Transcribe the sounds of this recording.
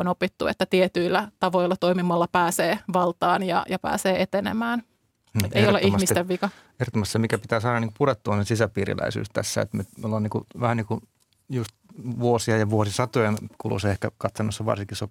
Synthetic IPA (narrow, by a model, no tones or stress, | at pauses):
onopit̪ːuḛt̪ːæt̪iet̪yilːæt̪ɑʋoilːɑt̪oimimɑlːɑpæːseːʋɑlt̪ɑːnjɑ̰jɑpæ̰ːseːet̪enḛmæːn | et̪eijoleʔimmist̪eʋʋikɑ | ehrot̪ːomɑst̪semikæpit̪æːsɑːɾɑniŋkupuɾet̪ːuɑnsesisæpiːɾḭlæ̰isy̰ːst̪æ̰sːæ̰ḛt̪nyt̪miolːoːniːkuʋæhænniːku | just̪ʋuosiɑjɑʋuosisɑt̪ojɑnkulṵseehkækɑt̪sɑnːosːɑʋɑ̰rsiŋkiso